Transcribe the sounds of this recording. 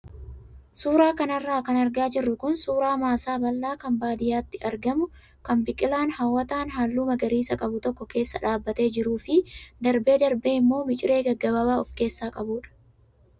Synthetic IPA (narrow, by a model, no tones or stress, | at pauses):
suːɾaːkɐnɐrːaːkɐnɐɾɡaːd͡ʒɪrːʊkʊnsuːɾaːmaːsaːbɐlːaːkɐmbaːd̪ɪjaːt̪ːɪɐɾɡɐmʊ | kɐmbɪkʼɪlaːnhɐwːɐt̪aːnɦaːlːuːmɐɡɐɾiːsɐkʼɐbʊt̪ɔkːɔke̞ːsːɐᶑaːbːɐt̪e̞ːd͡ʒɪɾuːfɪd̪ɐɾbe̞ːd̪ɐɾbe̞ːɪmːo̞ːmɪt͡ʃʼɪɾe̞ːɡɐɡːɐβɐbaːɔfke̞ːsːaːkʼɐbuːᶑɐ̥